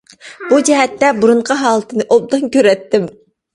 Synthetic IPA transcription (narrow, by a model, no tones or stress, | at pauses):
b̥ud͡ʒɛɦɛt̪ːɛbuɾʊɴqʰɑɦɑːlˠɨt̪ʰɨnɨʔob̚d̪ɨnkʲøɾɛt̪ːɪm